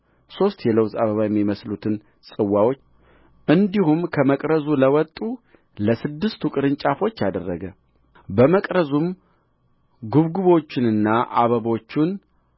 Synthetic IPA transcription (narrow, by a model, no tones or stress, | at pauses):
so̞st̪jɛləwzaβəβajɛmːjiməslut̪ʰɨn | sʼɨwːawo̞t͡ʃː | ʔɨnd̪iɦumkʰəməkʼɾəzuləwɔt̪ʼːu | ləsɨd̪ːɨst̪ʰukʼɨɾɨɲt͡ʃʼafo̞t͡ʃːad̪ərːəɡə | bəməkʼɾəzum | ɡuβɡuβo̞t͡ʃːɪnɨnːaʔa̰βəβo̞t͡ʃːun